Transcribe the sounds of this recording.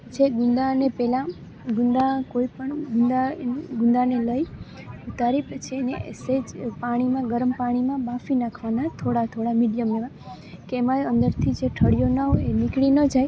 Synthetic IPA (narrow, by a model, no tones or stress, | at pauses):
d͡ʒeɡʊ̃nd̪anepɛlã | ɡund̪akoipəɳɡund̪aɡʊnd̪aneləj | ut̪aɾipt͡ʃʰeneʔḛsed͡ʒpaɽ̃imãɡəɾmpaɽ̃imãbafinakʰʋanat̪ʰoɽat̪ʰoɽamiɖijəmleʋa | keːmãənd̪əɾt̪ʰid͡ʒeʈʰəɽijonaenikɽinəd͡ʒaj